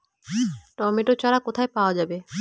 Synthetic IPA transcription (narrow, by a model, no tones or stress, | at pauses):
ʈɔmeʈot͡ʃaɾakot̪ʰaepaoad͡ʒabe